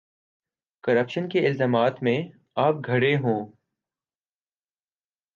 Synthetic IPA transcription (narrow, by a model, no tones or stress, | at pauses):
kəɾəpʃənkeɪlzaːmaːt̪mẽ | aːp̚ɡʱɐɽeɦõː